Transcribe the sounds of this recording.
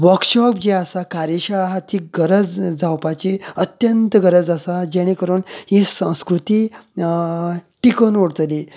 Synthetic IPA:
ʋəɾkɕɔpd͡ʑeasakaɾjeɕaɭaɦat̪iɡəɾəd͡zd͡zawpat͡ɕiət̪jənt̪ɡəɾəd͡zasad͡ʑeɽ̃ikəɾuːnɦẽsə̃w̃skɾut̪iː | ʈikənʋoɽt̪li

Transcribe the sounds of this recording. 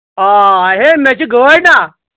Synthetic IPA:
ɦaɦemjat͡ɕiɡʱəɾna

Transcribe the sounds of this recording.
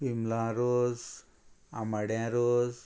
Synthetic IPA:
imlãɾoz | amaɽjãɾoːz

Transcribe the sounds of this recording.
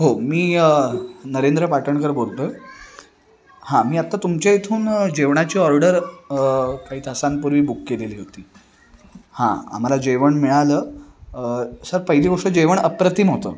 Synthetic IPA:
ɦomiː | nəɾend̪ɾəpaʈʰəɳkəɾbolt̪ə | hãmiːat̪ːat̪umt͡ɕjaet̪ʰuːnd͡ʑeʋɳat͡ɕiːɔɾɖəɾ | kaɦiːt̪ʰasanpuɾʋiːbukːeleliːɦot̪iː | hã̰a̰m̤alad͡ʑeʋəɳmiɭaləː | səɾpəɦiliːɡɔɾʂəd͡ʑeʋəɳəpɾət̪imɦot̪ə̰ː

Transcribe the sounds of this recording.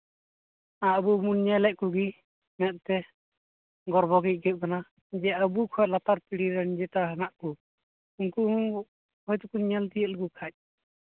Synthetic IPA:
aʔbumunɲɛlɛʔ̚kuɡi | mɛt̪̚t̪ɛ | ɡɔɾbʱɔɡɛc̚ˀɡɛkana | d͡ʒɛəbukʰɔjlat̪aɾpiɽiɾɛnd͡ʒɛt̪aɦanaʔku | unku | hɔjt̪ukuɲɛlt̪ijəʔ̪̚lɡukʰac̚

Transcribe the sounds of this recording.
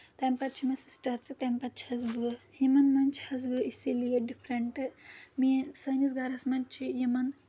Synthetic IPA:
t̪ɐmpɐt̪̚t͡ʃʰimɐsi̥sʈɐɾt͡sit̪ɐmpɐt̪t͡ʃʰhɐzbɨhimɐnmɐnt͡ʃʰhɐzbɨisiliɐɖipʰɾɐɳʈɨmisɐjnisɡɐɾɐsmɐnt͡ʃʰijimɐn

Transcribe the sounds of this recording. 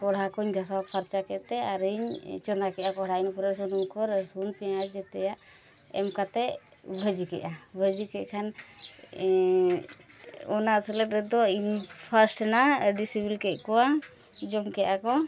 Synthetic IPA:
kɔɽ̤akɔɲɡʱas̬awapʰaɾt͡ʃakɛʔt̪ɛaɾiɲt͡ʃɔnd̪ɾakɛʔakɔɦɽainɔpuɾɛɾs̬ɔnumkɔɾsunpɛasd͡ʒɛt̪ɛjaʔ | ɛ̰mkat̪ɛ | bʱəd͡ʒikɛ̰ʔabʱəd͡ʒikɛʔkʰan | ɔnasɛlɛtɾɛd̪ɔiɲpʰaɾsʈnaɖisibilkɛʔ̚kɔwa | d͡ʒɔmkɛʔakɔ

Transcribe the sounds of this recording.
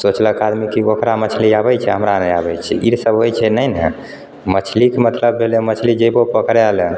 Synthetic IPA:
sot͡ʃləkad̪mikiokɾamət͡ʃʰliabɛt͡ʃʰɛ̰ɦəmɾaneabɛjt͡ʃʰɛiɾsəbɦojt͡ʃʰɛnəjnɛ̰ | mət͡ʃʰlikemət̪ləbːʱelomət͡ʃʰlid͡ʒəbopəkɾealɛ

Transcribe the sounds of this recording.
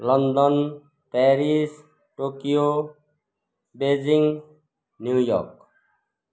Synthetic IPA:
lɔnd̪ɔn | pɛɾis | ʈokijo | bed͡ʒiŋ | njujɔ̰k

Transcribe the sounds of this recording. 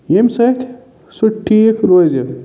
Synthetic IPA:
jemsɐt̪ʰʲ | suʈʰːiekʰɾoːze

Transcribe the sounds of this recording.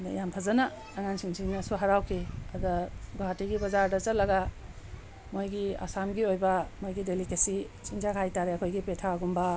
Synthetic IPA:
dɐ̰jampʰɐzɐnɐː | ŋansiŋsʰiŋnɐsuɦɐɾawkʰiɐdɐɡoɦatiɡibɐzaɾdɐt͡ʃɐt̚lɐɡɐ | mojɡia̰samɡiojbɐmojɡidelikesi | t͡ʃinzakʰajtaɾeɐkʰojɡipetʰaɡumbɐ

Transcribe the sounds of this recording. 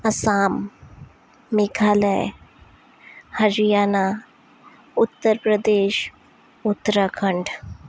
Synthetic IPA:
əsam | ikʰalə | həɾijana | ut̪ːəɾpɾəd̪eɕ | ut̪ːɾakʰəɳɖ

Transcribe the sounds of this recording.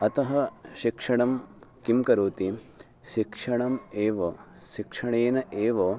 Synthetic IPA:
ɐt̪ɐɦɐʃikʂɐɳ̃ɐmkimkɐɾuːt̪i | ʃikʂɐɳɐmeːʋɐ | ʃikʂɐɳeːnɐʔeːʋoː

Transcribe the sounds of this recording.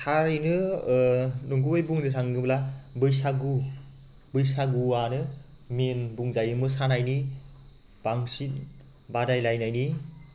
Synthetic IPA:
tʰaɾinɯ | nuŋɡujbuŋnɯsʰaŋɡɯblabɯjsaɡu | bɯjsaɡuanɯ | menbuŋzajɯmɯsanajni | b̥aŋsit̚ | badajlajnajni

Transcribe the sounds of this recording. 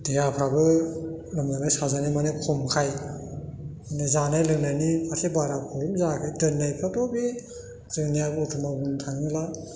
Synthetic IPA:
dejapʰɾabɯ | lamnanajsazanimanekʰɔmkʰaj | manezanajlɯŋnajnipʰasʰebaɾakʰɔjumzakʰajdɯnːajpʰadɔbi | zɯŋnijabɯutʰumabuntʰaŋila

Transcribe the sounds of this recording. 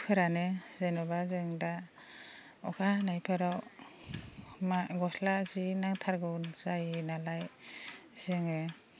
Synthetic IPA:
pʰɯɾanezenɔbazeŋda | ɔkʰanajpʰɯɾaw | maɡɔslazinaŋtʰaɾɡɯwnzajnalaj | zeŋe

